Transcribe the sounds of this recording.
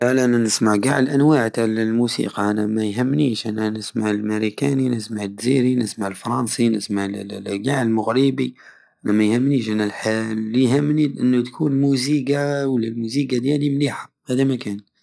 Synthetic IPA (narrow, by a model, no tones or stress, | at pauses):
ʕlæʔænænəsmaʕɡaʕlʔænwaʕt̪alælmusḭːqɑʔænæmæjɦəmːniːʃʔænænəsmaʕəlməɾikæninəsmaʕəd̪ziɾinəsmaʕəlfɾˤɑnsinəsmaʕɡaʕəlmʊɣɾibi | ʔʔænæmæjhəmːniʃʔænːælħalːihəmːniʔənːʊt̪kʰuːnmuziɡawəlːælmuziɡad̪jælimliħa | hæd̪imækæn